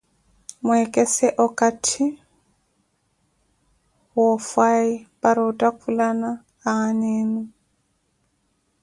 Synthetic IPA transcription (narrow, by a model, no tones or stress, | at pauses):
mʊɛkʼɛsɛʔɔkʼatʰɪ | wɔfaɪpʼaɾɪʊtʼakʰulanaː | aneːni